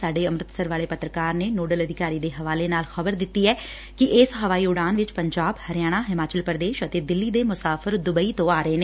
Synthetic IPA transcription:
saːɖeːəmɾət̪səɾʋaːleːpət̪ɾəkaːɾneːnoːɖələd̪ʱɪkaːɾiːd̪eːɦəʋaːleːnaːlxəbəɾd̪ɪt̪ːiːɛː | kɪʔɪsɦəʋaːiːʊɽaːnʋɪt͡ʃpəɲd͡ʒaːbhəɾɪjaːɽ̃aːɦɪmaːt͡ʃəlpəɾəd̪eːʃət̪eːd̪ɪlːiːd̪eːmʊsaːfʰəɾd̪ʊbəiːt̪õːaːɾəeːneː

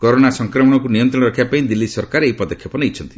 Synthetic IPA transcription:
koɾoɽ̃asɔŋkɾɔmɔɽ̃ɔkunijɔnt̪ɾɔ̃ɔɾɔkʰiapaĩd̪ilːisɔɾkaɾejpɔd̪ɔkʰːjɔpɔniit͡ʃʰɔnt̪i

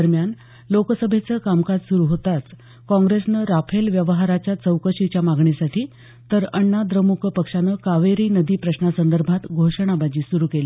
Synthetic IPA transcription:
əɾmjan | lokəsəbʱet͡səːkamkad͡zsuɾuːɦot̪at͡s | kɔ̃ŋɡɾesnəɾapʰelʋjəʋəɦaɾat͡ɕjat͡səwkəɕit͡ɕjamaɡɳisaʈʰiː | t̪əɾəɳːad̪ɾəmukʰəpəkʂanəkaʋeɾiːnəd̪iːpɾəɕnasənd̪əɾbʱat̪ɡʱoʂəɳ̃abad͡ʑiːsuɾuːkel

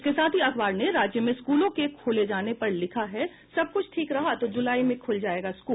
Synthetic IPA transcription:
ɪskesaːt̪ʰiɐkbaːɾneɾaːd͡ʒjəmẽskuːlõkekʰoːled͡ʒaːnepɐɾlɪkʰaɦɛ | sɐb̚kʊt͡ʃʰʈʰiːkɾɐɦat̪od͡ʒʊlaːimẽkʰʊld͡ʒaːeːɡaskuːl

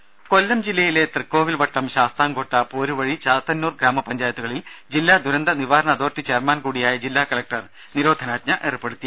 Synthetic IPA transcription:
kolːɐmd͡ʑilːɐjile̞t̪rɨkːo̞ːʋilʋɐʈːɐmɕaːst̪aːŋɡoʈːɐpoːɾuʋɐɻit͡ɕaːt̪ːɐnːuːrɡɾaːmɐpɐɲd͡ʑaːjɐt̪ːuɣɐɭild͡ʑilːaːd̪ʱuɾɐnd̪ɐniʋaːɾɐɳɐd̪o̞ːrtːit͡ɕeːrmaːnkuːɽijaːjɐd͡ʑilːaːkɐɭlɐk̚ʈɐr | niɾo̞ːd̪ʱɐnaːt̪̚ɲɐʔerɨpːeɽut̪ːi

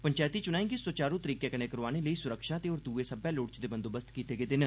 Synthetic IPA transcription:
pəɲt͡ʃaːt̪iːt͡ʃʊnaːẽːɡisoːt͡ʃaːɾũt̪əɾiːkɛːkənẽːkəɾʋaːneːləiːsʊɾəkʰʃaːt̪eːoːɾd̪uːeːsəbɛːloːɽt͡ʃd̪eːbənd̪oːbəst̪kiːt̪eːɡeːd̪ɪn

